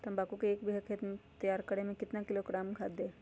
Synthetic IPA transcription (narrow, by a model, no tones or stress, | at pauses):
t̪ɐmbaːkukeeːkbʱiɦəkʰeːt̪mt̪ɐjaːɾkəɽemẽkɪt̪nakɪloɡɾaːmkʰaːd̪e